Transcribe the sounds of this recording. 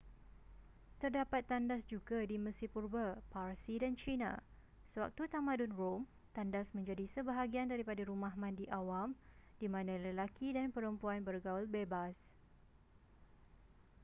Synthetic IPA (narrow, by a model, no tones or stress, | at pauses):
t̪ərdapat̪ːandasd͡ʒuɡadiməsipurbaparsidant͡ʃinã̰ | səwa̰k̚t̪ut̪amãdunrom | t̪andasmə̃ɲd͡ʒadisəbəɦaɡiandaɾipadaɾumãɦmãndiʔawamd̥imãnãləlakidanpəɾəmpuanbərɡaalbebas